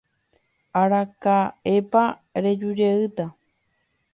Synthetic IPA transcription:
aɾakaepa | ɾed͡ʒud͡ʒeɨt̪a

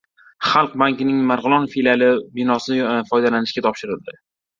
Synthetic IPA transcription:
χɑlˠq̚baŋkʲɪnɪŋmaɾʁɨlˠɒnfilʲalɪbɪnɒsɪfɒjd̪alanɪʃkʲat̪ʰɒpʃɪɾɪld̪ɪ

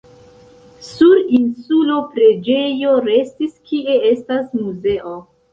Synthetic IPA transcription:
suɾinsulopɾe̞d͡ʒe̞jo̞ɾe̞stiskie̞e̞stasmuze̞ʔo

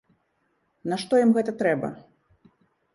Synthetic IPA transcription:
nɐʂt̪ɔjimɣɛt̪ɐt̪ɾɛbɐ̰

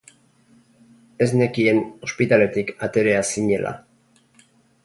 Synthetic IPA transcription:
e̞zne̞kieno̞spit̪ale̞t̪ikat̪e̞ɾe̞asiɲe̞lʔa̰

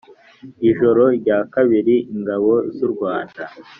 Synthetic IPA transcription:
iʒo̞ɾo̞ɾɟaːkaβiɾiʔiŋɡaβo̞zuɾɡwaːnda

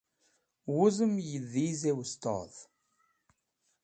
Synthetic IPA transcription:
wʊzəmjəðizewəst̪ə̰ðˤ

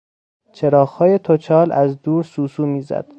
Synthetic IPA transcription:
t͡ʃʰeɾɒːxhɒːjet̪ʰot͡ʃʰɒːlæzd̪uːɾsuːsuːmiːzæ̰d̪̥

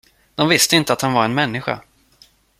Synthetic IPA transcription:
d̪̥ɔmvɪst̪əɪnt̪əat̪hanvaɾɛnmɛnːɪɧa̰

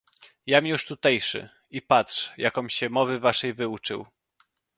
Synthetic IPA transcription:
jamʲjuʂt̪ut̪ɛjʂɘ̰ | ipat̪ʂjakɔmɕɛmɔvɘvaʂɛjvɘut͡ʂɘ̰w

